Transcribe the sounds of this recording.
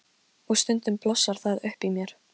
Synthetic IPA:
ɔst̪ʏnt̪ʏmplɔsːaɾ̥θaðʏhpimjɛɾ̥

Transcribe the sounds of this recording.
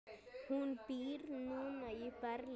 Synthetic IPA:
hunpiːɾnũnəjpɐɾl

